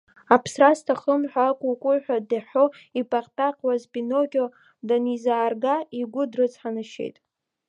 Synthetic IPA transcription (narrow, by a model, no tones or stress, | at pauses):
apʰsrastʰaχəmħʷᶣakʷʼʊkʷʼʊħʷᶣadaħo̞ipʼaqʼtʼaqʼwazpʼinoɡʲo | danizaːrɡaiɡʷʊdrɨt͡sʰʼħanɨʃḛjtʼ